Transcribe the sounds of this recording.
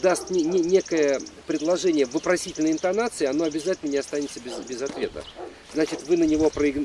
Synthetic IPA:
d̪ast̪nʲnʲnʲe̞kəjəəpɾʲɪd̪lˠɐʐɛnʲɪjəvɨpɾɐsʲitʲɪlʲnəɪnt̪ɐnat̪sɨɪɐnoɐbʲɪzatʲɪlʲnənʲɪɐst̪anʲɪt̪səbʲɪzbʲɪzɐt̪vʲe̞t̪ə̰ | znat͡ɕɪt̪vɨnənʲɪvo̞pɾəɪɡ̪

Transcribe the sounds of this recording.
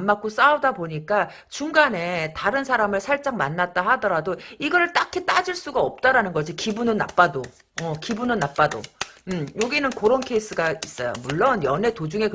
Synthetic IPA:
mːak͈os͈aodaboɲik͈a | t͡ɕuŋɡane̞taɾɯnsʰaɾamɯɭsʰaɭt͡ɕ͈aŋmanːat̚t͈ahadʌɾadoiɡʌɾɯɭt͈akʰit͈ad͡ʑiɭs͈uɡaʌp̚t͈aɾanɯnɡʌd͡ʑikibunɯnːa̰p͈ado | ʌkibunɯnːap͈ado̰ɯjoɡinɯnkoɾʌnkʰeis͈ʰɯɡais͈ʌjo̰muɭːʌnjʌne̞tod͡ʑuŋe̞k

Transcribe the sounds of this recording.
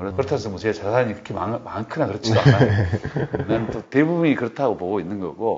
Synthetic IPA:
kɯɾepɯɾtʰans̬ʰʌmusʰeet͡ɕasʰaaɲikɯɾkʰemamankʰɯnakɯɾʌt͡ɕʰiɡaa | nentote̞bubuɲikɯɾʌtʰaɡopoɡoinːɯnɡʌ̰ɡo

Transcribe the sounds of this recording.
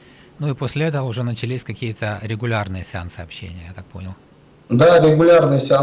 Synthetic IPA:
nuiposʲlʲɪɛt̪əvəʊʐɛnət͡ɕɪlʲisʲkɐkʲijət̪əɾʲɪɡʊlʲarnɨjəsʲɪa̰nt̪sɨɐpɕːḛnʲɪjəjat̪ak̚po̞̰nʲɪlˠ | d̪aɾʲɪɡʊlʲarnɨjəsʲɪa

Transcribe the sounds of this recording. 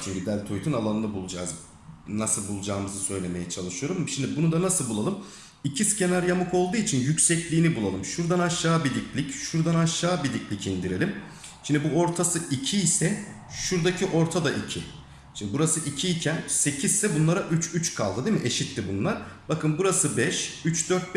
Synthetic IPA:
t͡ʃʰyyd̪ælʲt̪ʰojt̪ʰynalˠanɯnˠɯbulˠud͡ʒa̰z | nasɯlˠbulˠud͡ʒaːmɯzɯsø̞jlʲe̞me̞jɛt͡ʃʰalˠɯʃɯjo̞ɾumʃimd̪ibunud̪anasɯlˠbulˠalˠɯm | icʰiscʰenaɾjamɯkʰo̞lˠd̪uːit͡ʃʰinjycsɛclʲiːnibulˠalˠɯmʃuɾd̪anaʃːaːbid̪iclʲicʃuɾd̪anaʃːaːbid̪iclʲicʰind̪iɾe̞lʲim | ʃimd̪ibuo̞ɾt̪ʰasɯicʰiːsɛ | ʃuɾd̪acʰiʔo̞ɾt̪ʰad̪aʔicʰi | ʃimbuɾasɯʔicʰiːcʰænse̞cʰizsɛbunlˠaɾaʔyt͡ʃyt͡ʃkʰa̰lˠd̪ɯd̪e̞miʔeʃit̪ʰːibunlˠaɾbakʰɯnbuɾasɯbɛʃyt͡ʃd̪øɾt̪̚b

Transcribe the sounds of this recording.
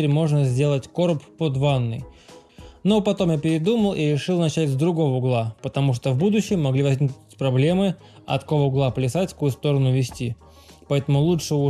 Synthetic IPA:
ɾʲmo̞ʐnəzʲdʲe̞lˠətʲko̞ɾppod̪vanːɨ̰j | nopɐt̪o̞mjapʲɪɾʲɪd̪uməlˠiɾʲɪʂɨlˠnɐt͡ɕætʲzd̪ɾʊɡo̞vəʊɡlˠapət̪ɐmuʂt̪ovbud̪ʊɕːɪmːɐɡlʲivɐzʲnʲiknʊtʲpɾɐblʲe̞mɨ | ɐ̰t̪ko̞vəʊɡlˠapəlʲɪsatʲfkujʊst̪o̞ɾənʊvʲɪsʲtʲi | pɐɛt̪əmʊlˠuʂɨʊ

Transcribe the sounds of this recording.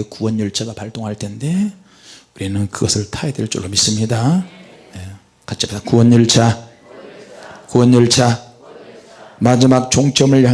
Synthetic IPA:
ekuwʌnjʌɭt͡ɕʰaɡapaɭt͈oŋɦaɭtʰe̞nde̞ | uɾinɯnkɯɡʌsʰɯɭtʰaedweɭt͡ɕ͈o̰ɾomis͈ɯmɲida | je | kat͡ɕʰibtakuwʌnjʌɭt͡ɕʰa | kuwʌnjʌɭt͡ɕʰa | mad͡ʑimak̚t͡ɕoŋt͡ɕ͈ʰʌmɯɭja

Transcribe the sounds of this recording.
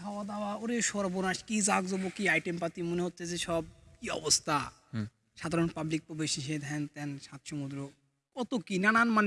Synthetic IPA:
ɦawad̪awaoɾeʃɔɾbonaʃkizakzɔbokiajʈempat̪imoneɦot̪ːʃʰeseʃɔb̚kiɔ̰bost̪ʰa | ʃad̪ʱaɾonpablik̚pobeʃiʃed̪ɦɛnt̪ɛnʃat̪ʃomud̪ɾo | kɔt̪okinananman

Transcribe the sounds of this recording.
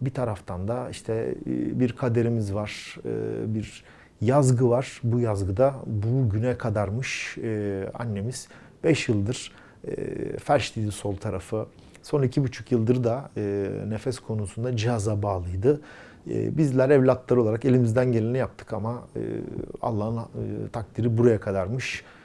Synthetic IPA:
bit̪ʰaɾaft̪ʰand̪aiʃt̪ʰɛbiɾkʰad̪e̞ɾimizvaɾ̥ɯ̰biɾ | jazɡɯvaɾ̥bujazɡɯd̪abuɟynɛkʰad̪aɾmɯʃɯa̰nːe̞miz̥ | bɛʃjɯlˠd̪ɯɾ̥̰ | fæɾʃt̪ʰiːd̪iso̞lˠt̪ʰaɾafɯ | so̞nicʰibyt͡ʃʰukjɯlˠd̪ɯɾɯd̪aɯːne̞fɛskʰo̞nusund̪ad͡ʒihazabaːlˠɯjd̪ɯ | ɯ̰bizlʲæɾɛvlʲat̪lˠaɾolˠaɾake̞lʲimizd̪ænɟe̞lʲenijap̚t̪ʰɯ̥kamaɯ̰a̰lˠːaɦɯnt̪ʰak̚t̪ʰiɾibuɾajakʰad̪aɾmɯʃ

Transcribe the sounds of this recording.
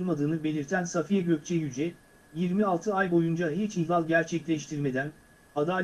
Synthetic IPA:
mad̪ɯːnɯbe̞lʲiɾt̪ʰænsafijaɟø̞c̚t͡ʃʰɛjyd͡ʒɛ | jiɾmialˠt̪ʰɯajbo̞jund͡ʒaɦit͡ʃihlalˠɟæɾt͡ʃʰɛclʲɛʃt̪ʰiɾme̞d̪æn | ad̪aː

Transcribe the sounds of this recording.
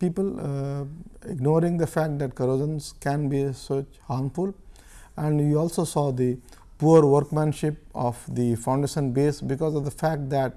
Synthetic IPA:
piːpəl | ɪ̰ɡnɔːɾɪ̃ŋd̪əfæk̚ʈ̚d̪æʈ̚kɐɾoːd͡ʒə̃nskɛ̃nbisot͡ʃhaːɾmfʊl | ɛ̃ɳɖjiːɔːlsosɔːd̪i | puəɾʋəɾkmɛ̃nʃɪp̚ɔʋd̪ifãʊ̃ɳɖeːʃə̃nbeːsbɪkɔːzɔfd̪əfæk̚ʈ̚d̪æʈ

